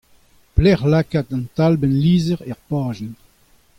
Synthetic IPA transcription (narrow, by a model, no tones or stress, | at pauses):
plɛʁlakat̪ãnt̪albɛnliːzɛʁɛʁpaːʒɛn